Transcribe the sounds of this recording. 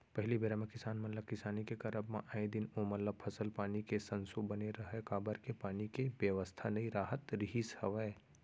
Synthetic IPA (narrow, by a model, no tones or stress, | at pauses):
pɐɦɪlibeːɾamẽkɪsaːnmɐt̪ləb̚kɪsaːnikekɐɾəbmḛ̃ʔaːẽd̪ɪnomɐlləb̚pʰɐsəlpaːnikesɐ̃nsubɐneɾɐɦekaːbəɾkepaːnikeʋjəʋəst̪ʰanɐɦĩɾaːɦət̪ɾɪɦishɐʋəː